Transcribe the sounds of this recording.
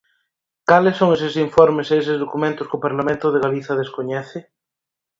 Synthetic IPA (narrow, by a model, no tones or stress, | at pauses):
kalesoŋes̬esiɱfoɾmesees̬ezðokumẽnt̪ʊskopaɾlamẽnt̪ʊðeɣaliθað̞eskoɲɛθɪ